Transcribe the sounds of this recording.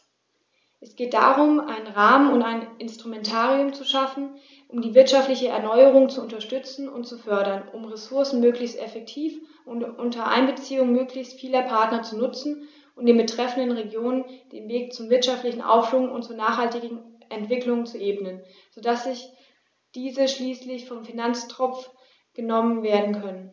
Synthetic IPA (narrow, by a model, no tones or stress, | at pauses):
ʔɛsɡ̥eːt̚d̥a̰ːʁʊmʔaɪnənʁaːmənʊntaɪnɪnstʁ̥umɛntʰaːʁiʊmt͡suʃafn̩ | ʔʊmdiːvɪɐtʃaftlɪçəɛ̰ɐnɔʏəʁ̞ʊŋt͡suʊntɐʃtʏt͡sn̩ʊntt͡sufœɐɾɐnʊmʁesʊɐsn̩møːklɪçstʔɛfɛk̚tʰiːf | ʔʊntʔʊntɐʔa̰ɪnbət͡siːʊŋəmøːklɪçstfiːlɐpʰaɐtnɐt͡sunʊt͡sn̩ | ʔʊntd̥eːnbətʁ̥ɛfn̩dənʁeɡjoːnənd̥eːnveːk̚t͡sʊmvɪɐtʃaftlɪçn̩ʔa̰ʊffʊŋʊ̰ntt͡suːɐnaːχhaltɪɡŋ̩ʔɛntv̥ɪklʊŋt͡suʔeːbənən | z̥odasz̥ɪç | d̥iːzəʃliːslɪçfɔmfinant͡stʁ̥ɔp͡f | ɡ̥ənɔmənveːɐdn̩kʰœnən